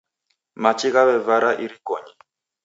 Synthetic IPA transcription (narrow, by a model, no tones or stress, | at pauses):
mat͡ʃiɣaβɛvaɾaʔiɾikɔɲi